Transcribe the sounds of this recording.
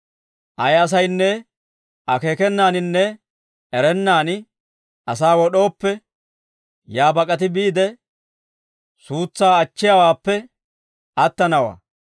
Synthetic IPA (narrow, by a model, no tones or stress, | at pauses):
ʔɐjɐs̬ɐjnːɛ | ʔɐkeːkɛnːaːnɪnːɛ | ɛɾɛnːaːn | ʔɐsaːwɔɗo̞ːpːɛ | jaːbɐkʼɐt̪̬ɪbiːd̪ɛ | suːt͡sːaːɐt͡ʃːɪjɐwaːpːɛ | ʔɐt̪ːɐnɐwa̰ː